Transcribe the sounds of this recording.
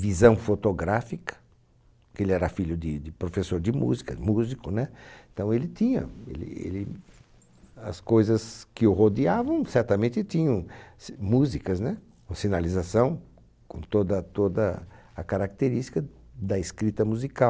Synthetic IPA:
vizɐ̃w̃fot̪oɡɾafikɐ̥ | kelɪɛɾɐfiʎʊd̪ɪd̪ɪpɾofesoɾd̪ɪmṵzikɐmuzikʊnɛẽt̪ɐ̃w̃elɪt̪ĩɲɐ̰ḛlɪ̰ḛlɪ | ɐ̰skojzɐskɪʊɦod̪iavɐ̃w̃sɛɾt̪ɐmẽnt̪ɪt̪ĩɲɐ̃w̃smuzikɐznɛ | ksinalizasɐ̃w̃ | kõt̪od̪ɐt̪od̪ɐɐkaɾak̚t̪eɾist̪i̥kɐd̪ɐɪskɾit̪ɐmuzikaw

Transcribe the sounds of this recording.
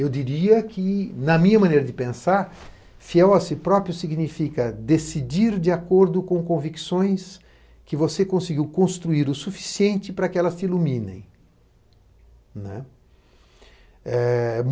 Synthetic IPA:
ewd͡ʒiɾiɐkʰɪnɐmĩɲɐmɐ̃nejɾɐd̪ɪpẽsaɾ | fiɛwɐsɪpɾɔpɾjʊsiɡnifikɐd̪esid͡ʒiɾd͡ʒɪakoɾd̪ʊkõkõviksõj̃s | kɪvosekõsɪɡiwkõst̪ɾuiɾʊsufi̥siẽnt͡ʃɪpɾɐkɪɛlɐst̪ɪilumĩnḛ̃j̃ | nɛ̰̃ | ɛ

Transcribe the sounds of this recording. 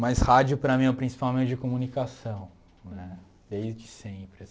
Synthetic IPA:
majshad͡ʒʊpɾɐmĩɛʊpɾĩsi̥pawmẽt͡ʃɪd͡ʒɪkomunikasɐ̃w̃ | nɛ | d̪ejzd͡ʒɪsẽpɾɪ

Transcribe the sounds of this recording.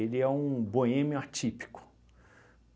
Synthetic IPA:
elɪɛũboẽmjʊat͡ʃipi̥kʊ̥

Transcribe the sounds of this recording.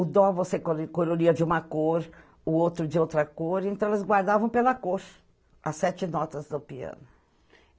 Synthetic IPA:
ʊd̪ɔ̃vosekokoɾoliɐd͡ʒɪũmɐkoɾ | ʊowt̪ɾʊd͡ʒɪowt̪ɾɐkoɾẽnt̪ɐ̃w̃elɐzɡwaɾd̪avɐ̃w̃pelɐkoɾ | ɐsɛt͡ʃɪnɔt̪ɐzd̪ʊpiɐ̰̃nʊ

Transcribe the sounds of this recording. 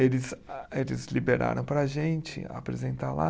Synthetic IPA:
elɪzelɪzlibeɾa̰ɾɐ̃w̃pɾɐʒẽnt͡ʃɪ̰a̰pɾezẽnt̪ala

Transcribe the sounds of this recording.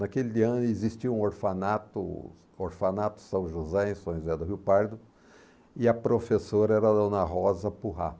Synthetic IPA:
nɐkeliɐ̃nʊezist͡ʃiɐũoɾfanat̪ʊ̰ | oɾfanat̪ʊ̥sɐ̃w̃ʒuzɛẽsõzɛd̪ʊɦiwpaɾd̪ʊ | ɪɐpɾofesoɾɐɛɾɐd̪õnɐɦɔzɐpuɦa

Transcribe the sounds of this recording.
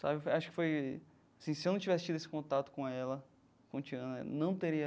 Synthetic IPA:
sa̰bɪfojaʃʊ̥kɪ̥foj | asĩsɪewnɐ̃t͡ʃivɛsɪt͡ʃid̪ʊesɪ̥kõt̪at̪ʊ̥kõɛlɐ | kõt͡ʃiɐ̃nɐ̰nɐ̃w̃t̪eɾiɐ

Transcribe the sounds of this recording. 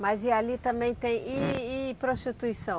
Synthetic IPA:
mɐzialit̪ɐ̃mbẽj̃t̪ẽj̃iipɾost̪it̪uisɐ̃w̃

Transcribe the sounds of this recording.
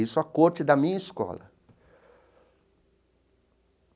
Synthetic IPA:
isʊakoɾt͡ʃɪd̪ɐmĩɲɐiskɔ̰lɐ̰

